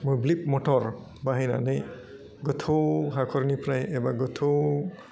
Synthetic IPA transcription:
mojblip̚mɔtʰɔɹ | baɦajna̰nɯj | ɡɔtʰowɦakʰɔɾnipʰɾajʔɛbaɡɔtʰow

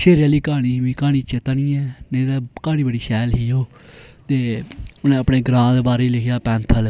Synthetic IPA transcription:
ʃeːɾjaːliːkaːɽ̃iːʋĩːkaːñiːt͡ʃɪt̪nĩːɛːneːd̪aːkaːñiːbəɽiːʃɛːlɦiːoː | t̪eːʊnẽːəpneːɡɾãːd̪ebaːɾeːlɪkʰjaːpɛ̃ːnt̪ʰəl

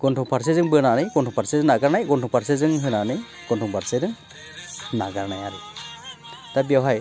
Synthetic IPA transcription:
ɡ̥ɔntʰɔŋpʰaɾs̬ezɯŋbɯnanɯjɡɔntʰɔŋpʰaɾsezɯŋnaɡaɾnajɡɔntʰɔŋpʰaɾsezɯŋɦɯnanɯj | ɡ̥ɔntʰɔŋbaɾsedɯŋ | naɡaɾnajaɾɯ | tabijawɦaj

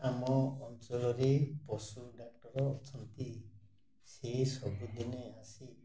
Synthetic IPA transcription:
amɔːntɔlɔɾepɔsuɖak̚ʈɔɾɔːt͡ʃʰɔnt̪i | sesɔbud̪ineasi

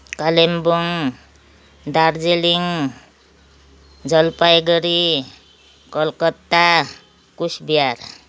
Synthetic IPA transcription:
kalemboŋ | d̪aɾd͡zeliŋ | d͡zʌlpajɡʌɾi | kʌlkʌt̪ːa | kusbijaɾ

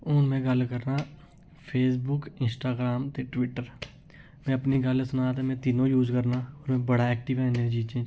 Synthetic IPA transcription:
ʊːnmɛ̃ːɡəlkəɾnaː | pʰeːsbʊkɪnsʈaːɡɾaːmt̪eːʈʋɪʈːəɾ | mɛ̃ːəpniɡəlsʊnaːt̪amɛ̃ːt̪iːnõːjuːd͡ʒkəɾnaːɔːɾmɛ̃bəɽaːɛːk̚ʈɪʋɛ̃ːned͡ʒiːt͡ʃẽː

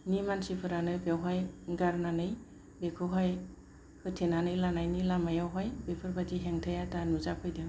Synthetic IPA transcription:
nimansipʰɯɾanɯbewɦajɡaɾnanɯj | bekʰɯɦɔj | hɯtʰenanɯjlanajnilamajawɦɔjbepʰɯɾbadiɦeŋtʰajatanuzapʰɯjdɯ

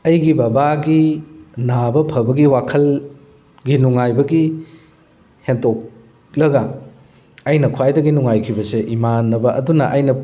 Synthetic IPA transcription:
ɐjɡibɐbaɡinabɐpʰɐbɐɡiwakʰɐl | ɡinuŋajbɐɡi | hentok̚ | lɐɡɐ | ɐjnɐkʰuwajdɐɡinuŋajkʰibɐseʔimanːɐbɐʔɐ̰dunɐʔɐjnɐ

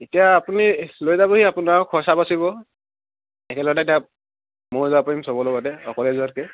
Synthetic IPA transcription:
etijaːpunilojzaboɦiapunaɹkʰɔsapasiβɔ | ɛkɛlɔɛtatia | moɹzɔapaimsɔbɔlɔɡɔdɛɔ̰kɔlezuatke

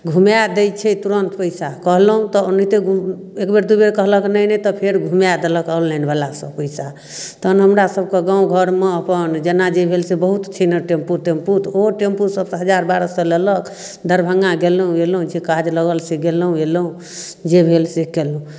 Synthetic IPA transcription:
ɡʱumjad̪ejt͡ʃʰɛt̪uɾənt̪pəɪsakəɦləɦũt̪ɔnit̪eɡu | ekbeɾd̪ubeɾkəɦləknəjnɛt̪ɔpʰeɾɡʱumjad̪eləkalːənbalasə̃pəjsa | t̪ənɦəmɾasəb̚keɡãũɡʱəɾmeəpənd͡ʒenad͡ʒebʱelsebəɦut̪t͡ʃʰinəʈempuɾʈemput̪oʈempusəbsɦəd͡ʒaɾbaɾəsəlelək | d̪ʱəɾbʱəŋɡãɡelɦũelɦũt͡ʃʰikad͡ʒləɡəlseɡelɦũelɦũ | d͡ʒebʱelsekelũ

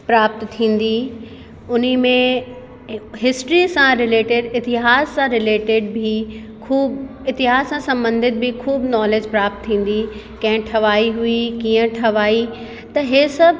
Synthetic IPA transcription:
pɾaːp̚t̪ːʰĩːn̆d̪i | ʊn̤imẽ | ɦɪsʈɾisãɾɪleːʈɪɖɪt̪ɪɦaːsːãɾɪleːʈɪɖbʱi | kʰuːb | ɪt̪ɪɦaːssãsɐ̃mbə̃nd̪ɪd̪̚bʱikʰuːbnɔːleːd͡ʑpɾaːp̚t̪ʰːĩːn̆d̪i | kɐ̃ɦɪ̃ʈʰɐʋaːiɦuikiːə̃ʈʰɐʋaːi | t̪ɐɦesɐbʱ

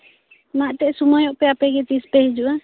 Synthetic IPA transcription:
maʔt̪ɛʔsumajɔʔpɛapɛɡɛt̪ispɛhid͡ʒuʔa

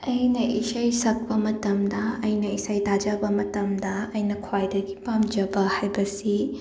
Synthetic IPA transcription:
ɐjnɐʔisɐjsɐk̚pɐmɐtɐmdɐːjnɐisɐjtad͡ʒabɐmɐtɐmdɐɐjnɐkʰwajdɐɡipamd͡ʒɐbɐhajbɐsi

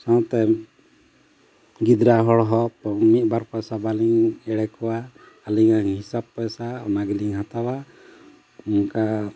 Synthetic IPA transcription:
sãw̃t̪ɛ | ɡid̪ɾaɦɔɽɦɔpɔmit̪̚baɾpɔjsabaliŋɛɽɛkɔwaː | liŋaŋɦisab̚pɔjsaɔnaɡiliŋɦat̪awa | uŋka

